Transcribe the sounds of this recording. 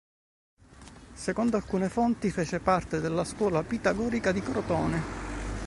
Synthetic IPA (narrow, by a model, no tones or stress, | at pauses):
sekond̪oalkuːnefont̪ifeːt͡ʃepart̪ed̪elːaskwɔːlapit̪aɡɔːɾikad̪ikɾot̪ɔːne